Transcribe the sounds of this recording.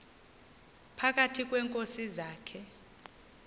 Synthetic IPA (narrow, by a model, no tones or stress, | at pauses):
pʰak̬atʰik̬ʼwɛːŋkʼosizaːkʰɛ